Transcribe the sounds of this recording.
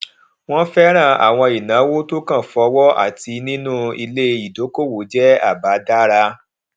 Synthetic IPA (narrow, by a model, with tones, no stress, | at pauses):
w̃ɔ̃˦fɛ˦ɾ̃ã˦˧˨a̰˨w̃ɔ̃˧i˨nãː˨˦wo˦to˦kã˦˨fɔ˧wɔ˦ʔa̰˦˨ti˧nĩ˦nũ˦i˧le˦i˨do˨˦ko˦˨wo˨˦d͡ʒɛ˦a̰˦˨ba˨˦da˦ɾa˧